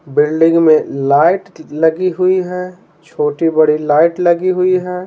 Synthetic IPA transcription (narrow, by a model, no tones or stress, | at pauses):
bɪlɖɪ̃ŋɡmẽlaːɪʈlɐɡiɦʊiɦɛː | t͡ʃʰoːʈibəɽilaːɪʈlɐɡiɦʊiɦɛː